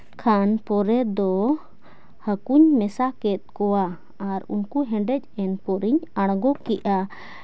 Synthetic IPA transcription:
kʰanpɔɾɛd̪ɔ | həkuɲmɛsakɛt̪̚ˀkɔwa | aɾṵnkuɦɛ̃ɖɛc̚ˀɛnpɔɾiɲaɽ̃ɡɔkiʔa

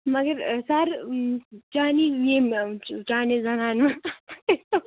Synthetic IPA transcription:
mɐɡɐɾsaɾ | t͡ʃaːnijemt͡ʃaːned͡zɐnaːnma

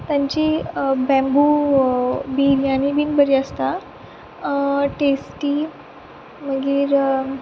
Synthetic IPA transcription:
t̪ãɲt͡ɕibɛ̃mbu | biːɾjanibinbəɾiəst̪a | ʈesʈi | məɡiːɾ

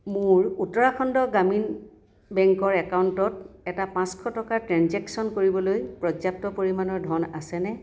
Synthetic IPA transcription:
mʊɹutɔɹakʰɔndɔɡamin | bɛŋkɔɹɛkawntɔtɛtapãskʰɔtɔkatɹanzɛksɔnkoɹibɔlojpɹɔd͡ʒap̚tɔpoɹimanɔɹdʱɔna̰sɛnɛ

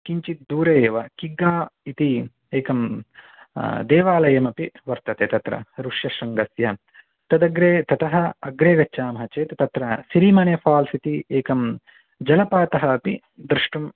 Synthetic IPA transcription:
kiɲt͡ʃit̪d̪uːɾeːʋɐkiɡːaːit̪i | eːkɐm | d̪eːʋaːlɐjɐmɐpiʋɐɾt̪ɐt̪eːt̪ɐt̪ɾɐ̰ɾuʂjɐʃɐŋɡɐsjɐ | t̪ɐd̪ɐɡɾeːt̪ɐt̪ʰɐɦɐɐɡɾeːɡɐʃaːmɐɦɐt͡ʃeːt̪ɐt̪ɐt̪ɾɐsiɾimɐnefaːlsit̪ieːkɐm | d͡ʒɐlɐpaːt̪ɐɦɐːpi | d̪ɾɪʂʈɐm

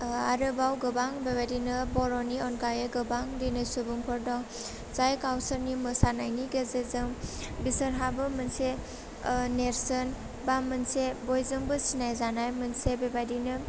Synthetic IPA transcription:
aɾɯbawɡɯbaŋbebajdinɯbɔɾɔniɔnkajeɡɯbaŋdinɯsubuŋpʰɔɾdɔŋ | zajkawsəɾnimɯsanajniɡezezɯŋbisəɾɦabɯmɯnse | neɾsən | bamɯnsebɔjzɯŋbɯsinajzanajmɯnsebebajdinɯ

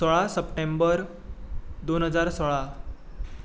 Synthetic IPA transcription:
soɭasəpʈembəɾ | d̪onɦəd͡zaɾsoɭa

